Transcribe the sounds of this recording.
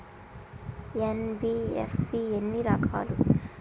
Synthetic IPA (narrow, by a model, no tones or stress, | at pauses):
enbiːḛfsienːiɾakʰa̰ːlu